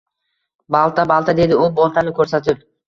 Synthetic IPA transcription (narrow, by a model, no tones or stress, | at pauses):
bɑlˠt̪ʰabalˠt̪ʰad̪e̞d̪ɪʊbolˠt̪ʰanɪkʰɵɾsat̪ʰɪp̚